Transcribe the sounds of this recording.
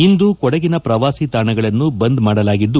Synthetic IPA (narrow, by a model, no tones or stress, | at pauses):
ind̪ukɔɽɐɡinɐpɾɐʋaːsit̪aːɳɐɡɐɭɐnːubɐnd̪maːɽɐlaːɡid̪ːu